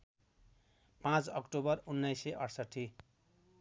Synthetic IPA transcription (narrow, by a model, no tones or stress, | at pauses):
pãt͡sʌkʈobʌrunːʌjseʔʌɽsʌʈʰːi